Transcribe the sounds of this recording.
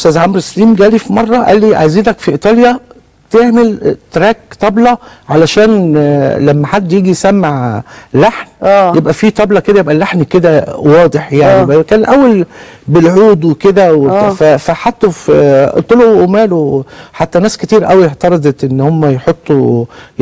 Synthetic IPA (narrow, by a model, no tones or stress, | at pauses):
ʔost̪æːzʕamɾesæliːmɡæːlifimɑrˤːɑʔæ̰lːiːʕa̰jziːnækfiʔit̪ˤɑːljæ | bt̪eʕmelt̪ɾæːkt̪ˤɑblɑʕalæʃæːnlæmːæħad̪ːjiːɡisæmːaʕlaħnːjebʔæfit̪ˤɑblɑked̪æjebʔælːaħnked̪æwɑːd̪ˤeħjaʕnibʔækæːnlʔæwːæl | belʕuːd̪weked̪æwefæfæħat̪ːæft̪ˤoloʔʔmæːloħat̪ːænæːsket̪iːɾʔæwieʕt̪ɑɾˤɑd̪ˤet̪ʔenːhomːæjeħot̪ˤːu